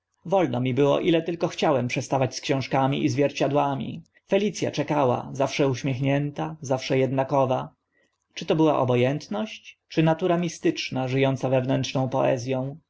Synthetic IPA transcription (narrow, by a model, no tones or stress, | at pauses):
vɔlnɔmʲibɘwɔ̰ʔilɛt̪ɘlkɔxt͡ɕawɛmpʂɛst̪avat͡ɕskɕɔ̃w̃ʂkamʲḭʔizvʲjɛɾt͡ɕad̪wamʲḭ | fɛlʲit̪sʲja̰t͡ʂɛkawa̰zafʂɛuɕmʲjɛxɲɛnt̪azafʂɛjɛd̪nakɔva | t͡ʂɘt̪ɔbɘwaʔɔ̰bɔjɛnt̪nɔɕt͡ɕt͡ʂɘnat̪uɾamʲist̪ɘt͡ʂnaʐɘjɔnt̪savɛvnɛntʂnɔ̃w̃pɔʔɛ̰zʲjɔ̃w̃